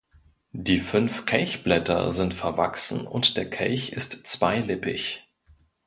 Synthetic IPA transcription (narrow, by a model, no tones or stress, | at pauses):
d̥iːfʏnfkʰɛlçb̥lɛtɐ̰zɪntfɛɐva̰ksn̩ʊ̰ntd̥eːɐkʰɛ̰lçɪstt͡sv̥aɪlɪpɪç